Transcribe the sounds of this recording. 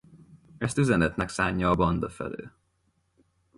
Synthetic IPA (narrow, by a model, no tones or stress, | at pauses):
ɛst̪yzɛnɛt̪nɛksaːɲːɒːbɒnd̪ɒfɛ̰lø̰ː